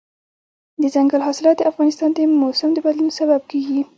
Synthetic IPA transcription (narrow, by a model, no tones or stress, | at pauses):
d̪əzaŋɡalɦɑsɪlɑt̪̚d̪əafɣɑnɪst̪ɑnt̪amosamd̪əbad̪lunosabab̚keɡi